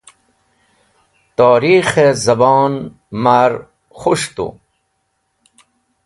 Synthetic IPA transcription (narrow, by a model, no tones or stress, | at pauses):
t̪aːɾixezɐbɑːn | maɾ | xuʂt̪ṵ